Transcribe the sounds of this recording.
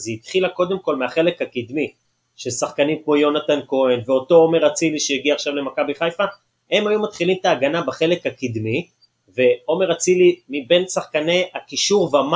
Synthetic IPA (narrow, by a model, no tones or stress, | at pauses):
zeit̪χilako̞d̪e̞mko̞lmeaχe̞le̞khakid̪mi | ʃesaχkanimkmo̞jo̞nat̪anko̞enveo̞to̞o̞me̞ʁat͡siliʃejiɡiaχʃavle̞makabiχajfa | he̞majumat̪χilimt̪aːɡanabaχe̞le̞kakid̪mi | ve̞o̞me̞ʁat͡silimibe̞nsaχkaneakiʃuʁveama